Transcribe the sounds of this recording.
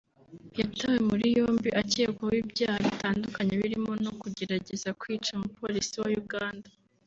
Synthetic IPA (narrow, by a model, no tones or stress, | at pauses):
jatawemuɾijo̞ːmbiʔaceːkwowiːbɟaːhaβitaːndukaɲe̞βiɾimo̞nokuɟe̞ɾaɟe̞zakwiːt͡ʃamupo̞ɾisiwajuɡaːndḁ